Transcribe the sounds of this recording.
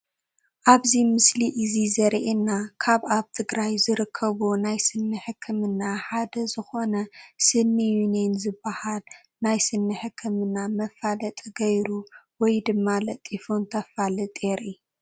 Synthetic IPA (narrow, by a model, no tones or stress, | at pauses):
ʔaβzimɨsliʔɨzizɐɾʔenːakʰaβaβt̪ʰɨɡɾajzɨɾɨkʰːɐβonajsɨnːɨħɨkʰːɨmɨnːaħad̪ɐzɨxonɐsɨnːijunenzɨbːahal | najsɨnːɨħɨkʰːɨmɨnːamɐfalɐt̪ʼɡɐjɾuwɔjd̪ɨmːalɐt̪ʼifont̪ʰɐfalɨt̪ʼeɾi